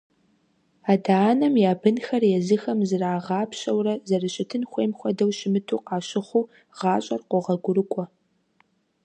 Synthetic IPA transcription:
aːdaːnɐmjaːbɨnxɐrjɛzɨxɐmzɨraːʁɑːpɕɐwrɐzɐrɨɕʼɪtʰɨnxʷeːmxʷɔdɐwʃɪmɨtʰuːqɑːɕɪχʷuː | ʁ̥ɑːɕʼɐrqʷɔʁɐɡʷʊɾɨkʷʼɔ

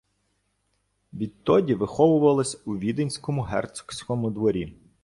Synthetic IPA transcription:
ʋʲid̪̚t̪ɔdʲiʋɪxɔʋʊʋɐlˠɪsʲuʋʲid̪enʲsʲkɔmʊɦɛ̰rt̪sʊ̥ksʲkɔmʊd̪ʋɔɾʲi

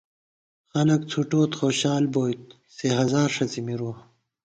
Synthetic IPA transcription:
xɐnɐkt͡sʰuʈoːt̪xoːɕaːlboːjt̪̚ | seɦɐzaːɾʂɐt͡simiɾuː

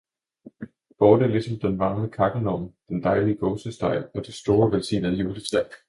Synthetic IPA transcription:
b̥ɒːd̥æɐlisɒ̽md̥enʋɑ̈ŋləkʰɑ̈ɡ̥ənɒmd̥end̥ɑ̈ɪliəɡ̥ɔːsəsd̥ɑ̈ɪ̰ɒ̽d̥isd̥o̝ːɐʋelsḭːnəðˠjuːlə̥sæɪ̥

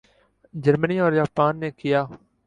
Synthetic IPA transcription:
d͡ʒəɾməniːɔːɾd͡ʒaːpaːnːeːkɪjaː

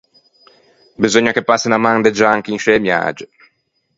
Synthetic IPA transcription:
bizoɲːakepːasːinamand̪ed͡ʒaaŋk̟inʃɛmja̰ːd͡ʒe

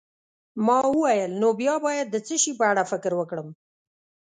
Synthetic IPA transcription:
mɑwəwajəlnobjɑbɑjad̪ːət͡səʃipəaɽafɪkɾwəkɽəm

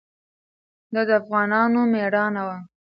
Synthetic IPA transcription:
d̪ɑd̪əafɣɑnɑnomeɽɑnawa

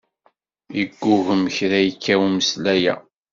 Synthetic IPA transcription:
iɡːʊɣəmçɾæjəkʰːæwiməslæjæ̰

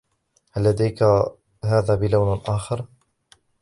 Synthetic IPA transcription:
halːad̪ajka | ɦaːðaːbɪlawnʔaːxɑɾˤ

